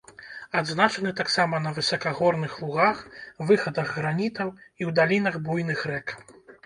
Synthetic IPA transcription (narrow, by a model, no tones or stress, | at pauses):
ad̪znat͡ʂɐnɨt̪aksamɐnɐvɨsɐkaɣɔrnɨxlˠuɣaxvɨxɐd̪ɐɣːɾanʲit̪ɐwiwd̪alʲinɐɣbujn̪ɨxɾɛk